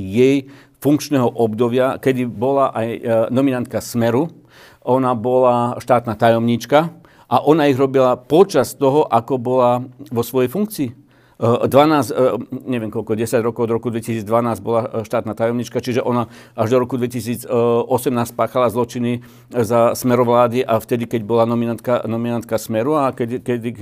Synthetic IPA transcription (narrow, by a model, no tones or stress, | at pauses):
jɛj | fuŋkt͡ʃnɛːɦɔʔɔbd̪ɔbɪakɛd̪ibɔlaʔajnɔminant̪̚kasmɛɾu | ʔɔnabɔlaʃt̪aːt̪naːt̪ajɔmɲit͡ʃka | ʔaʔɔnaiɣɾɔbilapɔt͡ʃast̪ɔɦɔʔakɔbɔlaʋɔsʋɔjɛjfuŋk̚t͡siː | d̪ʋanaːzɲɛʋɪɛmkɔlkɔʊɟɛsaɟɾɔkɔʊɔd̪ɾɔkud̪ʋɛcisiːd͡zd̪ʋanaːzbɔlaʃt̪aːt̪naːt̪ajɔmɲit͡ʃkat͡ʃiʒɛʔɔna | aʒd̪ɔɾɔkud̪ʋɛcisiːd͡zɔsɛmnaːsc̚paːxalazlɔt͡ʃini | zasmɛɾɔʋlaːd̪iʔaft̪ɛd̪ikɛɟbɔlanɔminant̪̚kanɔminant̪̚kasmɛɾuakɛkɛd̪i